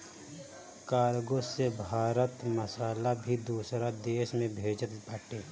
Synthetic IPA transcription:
kaːɾɡosebʱaːɾət̪məsaːlabʱid̪uːsɾad̪eːʃmẽbʱeːd͡ʒət̪baːʈeː

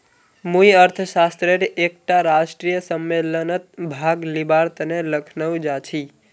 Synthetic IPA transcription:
mujəɾt̪ʰəʃast̪ɾeɾʔek̚ʈaɾaʃʈɾijəsəmːelənət̪̚bʱaɡlibaɾt̪əneləkʰnəʋũd͡ʒat͡ʃʰi

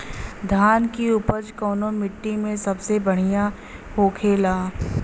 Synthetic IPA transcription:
d̪ʱaːnkiuːpəd͡ʒkɔːnomɪʈːimẽsɐbsebɐɽ̤ijã | ɦoːkʰeːlaː

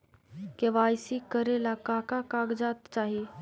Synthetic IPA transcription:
keʋaːjsikəɾelakaːkakaːɡd͡ʒaːt̪t͡ʃaːɦie

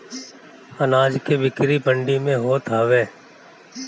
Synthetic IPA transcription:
ənaːd͡ʒkeːbɪkɾiːbəɳɖiːmẽːɦoːt̪aːʋẽː

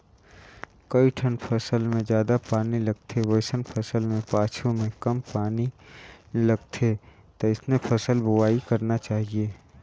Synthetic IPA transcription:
kɐiʈʰənpʰɐsəlmẽd͡ʒjaːd̪apaːnilɐɡ̚t̪ʰeʋəɪsənpʰɐsəlmẽpaːt͡ʃʰõmẽkɐmpaːni | lɐɡt̪ʰe | t̪oɪsnẽpʰɐsəlbʊʋaːikɐɾnat͡ʃaːɦieː

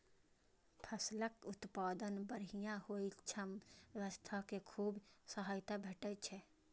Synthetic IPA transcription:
pʰəsləkʊt̪paːd̪ənbəɾijãhoːit͡ʃʰəmʋəst̪ʰakekʰuːbsəɦaːjt̪abʱeʈət͡ʃʰɛ

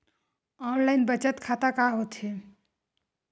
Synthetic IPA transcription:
ɔnlaɪnbət͡ʃət̪kʰat̪akaɦot̪ɦe

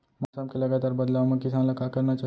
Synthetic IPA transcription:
mɔsamkeləɡat̪aːɾbəd̪laʋmẽkɪsãnləkakəɾnat͡ʃa

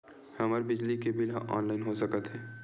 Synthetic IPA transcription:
hɐməɾbɪd͡ʒlikebɪlɦa̰ʔɔ̰ːnlaɪnɦosəkət̪ɦɛː

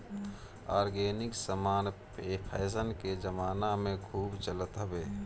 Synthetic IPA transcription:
aːɾɡeːnɪksəmaːnpeːpʰɛːsənked͡ʒəmaːnamẽkʰuːbt͡ʃələt̪ɦəbeː

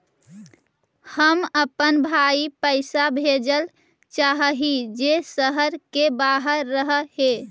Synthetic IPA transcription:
həməpənbʱaipəɪsabʱed͡ʒəl | t͡ʃaɦəɦid͡ʒesəɦəɾkebaɦəɾːəɦəhe

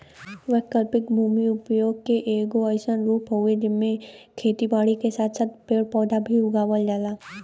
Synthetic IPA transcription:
ʋɛɦkəlpɪkbʱuːmiʊpjoːɡkeʔeːɡoəɪsənɾuːpɦoed͡ʒɪmːẽkʰeːt̪ibaːɽikesaːt̪ʰsaːt̪̚peːɽpɔːd̪ʱabʱiʊɡaːʋəld͡ʒaːlaː

